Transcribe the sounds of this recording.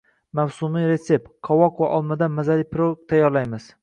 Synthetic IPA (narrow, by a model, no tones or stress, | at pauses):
mawsumijɾe̞t̪se̞p̚qʰɒwɒqvaʔɒlˠmad̪anmazalipɾot̪ʰajːɒɾlajmɪz̥